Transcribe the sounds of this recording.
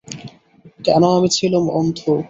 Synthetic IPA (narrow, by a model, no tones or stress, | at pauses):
kɛnoamit͡ɕʰilumɔ̰nt̪ʰo